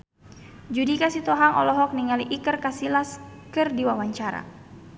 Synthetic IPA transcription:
d͡ʒudikasit̪ɔɦaŋʔɔ̰lɔɦɔk̚niŋaliʔikərkasilaskɨrdiwawaɲt͡ʃaɾa̰

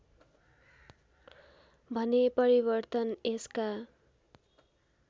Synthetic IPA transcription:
bʱʌnepʌɾibʌrt̪ʌneska

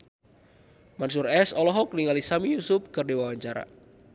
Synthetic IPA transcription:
mansʊrɛsɔlɔɦɔkəniŋalisamijusʊp̚kɨrdiwawaɲt͡ʃaɾa̰

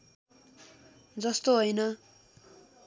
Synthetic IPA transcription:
d͡zʌst̪oɦojnʌ

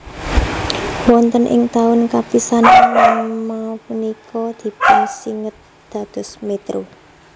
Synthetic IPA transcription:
wɔnt̪ənʔɪ̰ŋt̪aʊnkapisanalamapunikʰɔd̪̥i̤pasiŋət̪̚ | d̪̥a̤d̪̥ɔ̤smet̪ɾo

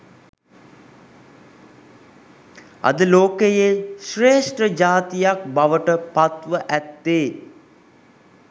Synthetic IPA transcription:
a̰d̪əloːkejeʃreːʂʈrəd͡ʒaːt̪ijak̚baʋəʈəpat̪ʋəʔæt̪ːeː

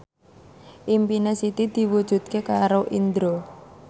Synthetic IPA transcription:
ʔimpinesit̪id̪̥i̤wud̥ʒ̥ṳd̪̚kekaɾoʔind̪ɾo

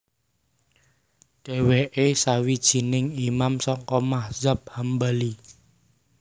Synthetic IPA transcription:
ɖ̥e̤weʔesawid̥ʒ̥i̤nɪŋimamsɔŋkɔmahz̥ap̚hambali

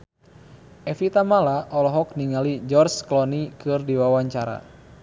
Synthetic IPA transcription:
ʔɛfit̪amalaʔɔlɔɦɔk̚niŋalid͡ʒɔrsklɔnikɨrdiwawaɲt͡ʃaɾa̰

